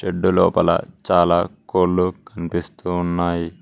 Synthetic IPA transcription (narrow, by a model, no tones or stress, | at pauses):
t͡ʃeɖːulɔːpɐlɐ̰t͡ʃaːlaːkoːlːukʰɐnipist̪uːnːaːji